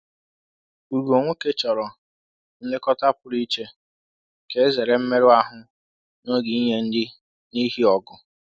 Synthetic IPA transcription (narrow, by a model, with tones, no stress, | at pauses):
u˨ɾu˨o˨ŋʷʊ˦ke˦t͡ʃɔ˨ɾɔ˨ | n̩˦dɪ˦kɔ˦ta˦pʊ˨ɾi˦t͡ʃe˦ | ke˨˦e˦ze˨ɾe˦m̩˦me˦ɾʊ˦a˦ɦʊ˨ | no˦ɡi˨i˦ɲe˦n̩˦dɪ˦ | ni˦ɦi˦ɔ˨ɡʊ˨